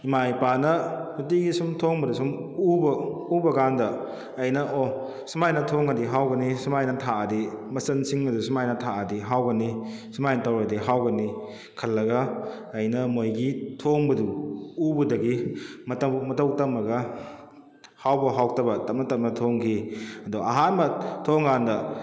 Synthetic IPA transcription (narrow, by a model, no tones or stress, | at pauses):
imajpanɐhut̬iɡisumtʰoŋbɐdusum | ubɐubɐɡandɐː | jnɐʔɔ | smajnɐtʰoŋɐdiɦawɡɐnisumajnɐtʰaɐdimɐsɐnsiŋɐdusumajnɐtʰaɐdiɦawɡɐni | sumajnɐtawɾɐdiɦawɡɐni | kʰɐlːɐɡɐː | jnɐmojɡitʰoŋbɐduubɐdɐɡimɐtɐmɐtɐwtɐmːɐɡɐ | hawbɐɦawtɐbɐtɐp̚nɐtɐp̚nɐtʰoŋkʰiɐduʔɐ̰ɦanmɐtʰoŋɡandɐ